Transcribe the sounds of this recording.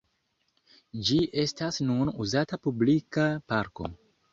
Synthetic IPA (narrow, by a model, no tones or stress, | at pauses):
d͡ʒiʔe̞stasnunuzatapublikapaɾko̞̰